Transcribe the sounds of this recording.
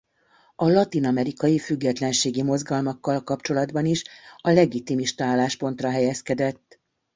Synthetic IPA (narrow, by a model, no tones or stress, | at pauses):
ɒlɒt̪inɒmɛɾikɒjifyɡːɛt̪lɛnʃeːɡimo̞zɡɒlmɒkːɒlkɒpt͡ʃo̞lɒd̪bɒniʃɒlɛɡit̪imiʃt̪ɒaːlːaːʃpo̞n̪t̪rɒɦɛjɛskɛd̪ɛt̪ː